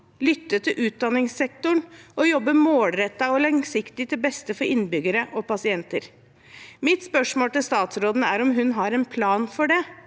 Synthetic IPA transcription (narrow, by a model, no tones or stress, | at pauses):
lʏt̪ːət̪ʰɪlʔʉːt̪̚d̪ɑnːɪŋsɛk̚t̪ʊɳɔjɔbːəmoːlɾɛt̪ːɑɔlɑŋsɪkt̪ɪt̪ɪlbɛst̪əfɔɾɪnːbʏɡəɾəʔɔpɑsɪɛnt̪əɾ | mɪt̪spœʂmoːlt̪ɪlst̪ɑːt̪sɾoːd̪nəæɾɔmɦʉnɦɑɾɛnpʰlɑːnfɔɖɛ